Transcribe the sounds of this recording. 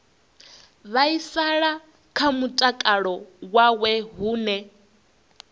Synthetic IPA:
βaisaɺa | kʰamutʼakʼaɺɔwawɛɦuːnɛ

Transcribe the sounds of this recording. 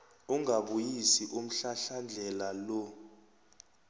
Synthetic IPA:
uŋʱaɓujisiʔum̩ɬaɬand͡ɮʱɛlalɔ

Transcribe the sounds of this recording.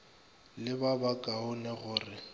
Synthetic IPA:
lɪbabakʼaɦʊnɛɣʊːrɪ

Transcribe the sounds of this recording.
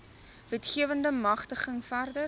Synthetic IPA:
vɛtχiəvəndəmɐχtəχəŋfærdə

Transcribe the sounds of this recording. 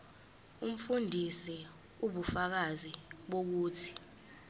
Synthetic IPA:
um̩fundʱisɛ | uɓufak̬aziɓok̬uːtʰi̥

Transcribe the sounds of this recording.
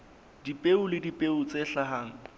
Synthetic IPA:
dipʼeʊlɪdipʼeʊt͡sʼeɬaɦaːŋ̩

